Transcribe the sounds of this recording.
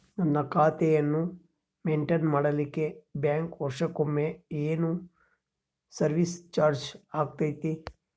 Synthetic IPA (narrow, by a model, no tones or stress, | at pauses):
nɐnːɐkaːt̪ɛjɐnːu | meːɳʈenmaːɽɐlikːebjaːŋkɔʂɐkomːeeːnu | sɐɾʋist͡ʃaːɾd͡ʒaːɡ̚t̪ɐjt̪i